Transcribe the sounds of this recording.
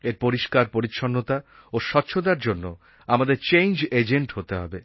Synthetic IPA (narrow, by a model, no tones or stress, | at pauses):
eɾpoɾiʃkaɾpoɾit̪ːʃʰonːot̪a | oʃɔtːɕʃʰod̪aɾd͡ʑonːo | amad̪eɾt͡ɕejnd͡ʑed͡ʑeɳʈɦot̪eɦɔ̰be